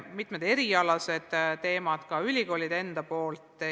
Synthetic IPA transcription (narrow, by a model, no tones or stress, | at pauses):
mit̪med̪e̞ɾiɑlɑse̞d̪̥t̪ːe̞ːmɑd̪̥kɑylʲiko̞ːlʲid̪̥e̞nd̪̥ɑpo̞ːlt̪ːˑ